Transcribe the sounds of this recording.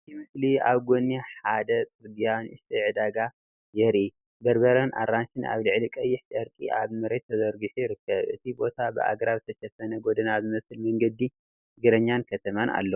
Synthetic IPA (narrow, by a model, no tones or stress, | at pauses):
ɨt̪ʰimɨslia̰βɡonːeħad̪ɐt͡sʼɨd̪ijanɨʃt̪ʰɐʕɨd̪aɡa | jɛɾi | bɐɾbɐɾɐnʔa̰rːanʃɪna̰βlɨʕlikʼɐjːɪħtʼɐɾkʼḭʔaβmɐɾet̪ʰːɐzɐɾɡɨħujɪɾɨkːɐβʔɨ̰t̪ʰibo̞t̪ʰabɨ̰ʔa̰ɡɾaβzɨt̪ʰɐʃɐfɐnɐɡo̞d̪ɐnazɨmɐsɨlmɐŋɡɐd̪ːi | ɡɨɾɐɲːankʰɐt̪ʰɐmana̰lːɐ